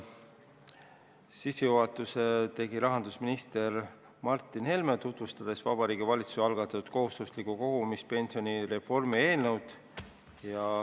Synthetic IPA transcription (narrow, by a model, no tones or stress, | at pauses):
sisejuɦɑt̪ːˑuse̞t̪e̞ɡiɾɑɦɑnd̪̥usminist̪e̞r | mɑrt̪ːˑinhe̞lme̞t̪ut̪vust̪ɑd̪̥e̞svɑ̰b̥ɑɾiːɡ̥ivɑlʲit̪susɑlɡ̥ɑt̪ːˑɑt̪ːut̪̚ko̞ɦust̪uslikuko̞ɡ̥umis̚pe̞nʲsio̞niɾe̞fo̞rmie̞ːlnewd̪̥ | jɑ